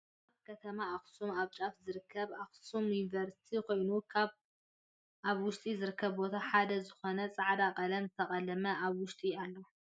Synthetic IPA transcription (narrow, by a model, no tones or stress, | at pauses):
aβ̚kʰɐt̪ʰɐmaaxsumaβt͡ʃʼafzɨɾɨkʰːɐβaxsumjunivɐɾsi̥t̪ʰikʰo̞jnukʰaβ | ʔaβwʊʃt̪ʼizɨɾɨkʰːɐβbo̞t̪ʰaħad̪ɐzɨxo̞nɐt͡sʼaʕd̪akʼɐlɐmzɨt̪ʰɐχʼɐlɐmɐaβwʊʃt̪ʼialːɐw